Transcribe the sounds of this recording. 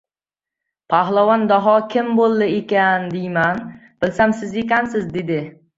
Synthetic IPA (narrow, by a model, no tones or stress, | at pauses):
pʰaɦlˠavɒnd̪ɒɦɒkʲʰɪmbolˠːɪekʲand̪ejman | b̥ɪlsamsɪzekʲansɪzd̪e̞d̪ɪ